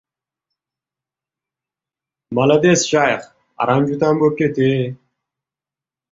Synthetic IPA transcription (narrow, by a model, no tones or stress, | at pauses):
mɐlɐd̪esɕaːj̰χ | a̰ɾamd͡ʑut̪aːmbokːet̪e